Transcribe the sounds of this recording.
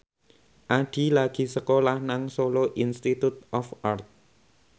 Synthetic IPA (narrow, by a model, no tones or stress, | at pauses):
ʔaɖ̥i̤laɡ̥i̤səkolahnaŋsoloʔinst̪it̪ut̪̚ɔfart̪̚